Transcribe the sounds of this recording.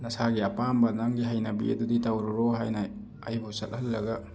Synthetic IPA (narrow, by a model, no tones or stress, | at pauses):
nɐsaɡiɐpambɐnaŋɡiɦɐjnɐbiɐ̰duditawɾuɾoɦajnɐː | jbusɐt̚hɐlːɐɡɐ